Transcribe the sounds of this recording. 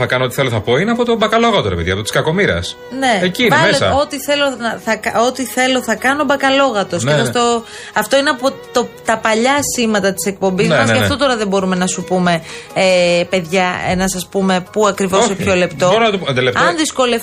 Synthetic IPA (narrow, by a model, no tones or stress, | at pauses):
θɐkɐnoot̪iθeloθɐpo̞ineɐpot̪obɐkɐlo̞ɣɐt̪oɾepeðiɐp̚t̪ot̪i̥skɐko̞miɾɐ̰s | ne̞eciineɐmesɐ̰o̞t̪iθe̞lo̞nɐθɐkɐot̪iθe̞lo̞θɐkɐno̞bɐkɐlo̞ɣɐt̪o̞seɐft̪o | ɐft̪o̞ineɐpot̪ot̪ɐpɐʎɐsimɐt̪ɐt̪i̥sek̚po̞mbizmɐsɐft̪o̞t̪oɾɐðebo̞ɾume̞nɐsupume̞epe̞ðʝɐenɐsɐspume̞puɐkɾivo̞sepço̞le̞pt̪ooɾɐnɐt̪ond̪elefɐnðisko̞lef